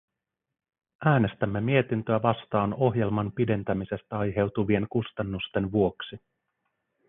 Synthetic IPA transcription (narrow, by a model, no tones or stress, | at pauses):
ʔæːne̞st̪æmːe̞mie̞t̪int̪ø̞æʋɑst̪ɑːno̞ɦje̞lmɑnpide̞nt̪æmise̞st̪æɑjɦe̞wt̪uʋie̞ŋkust̪ɑnːust̪e̞nʋuo̞ksi